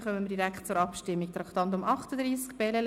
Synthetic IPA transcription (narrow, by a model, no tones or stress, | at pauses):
χœməmədiɾæktt͡sʊɾɑpʃtɪmːik̚t̪ɾɑkt̪ɑnt̪̬ʊmʔɑχtəd̪ɾiːskb̥ɛləl